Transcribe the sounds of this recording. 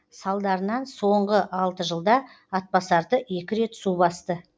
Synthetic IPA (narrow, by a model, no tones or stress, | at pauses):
sɑlˠd̪ɑɾənɑnso̞ɴʁəʔɑlˠt̪əʒəlˠd̪ɑ | ɑt̪̚pɑsɑɾd̪əe̞kʲɪɾe̞t̪subɑst̪ə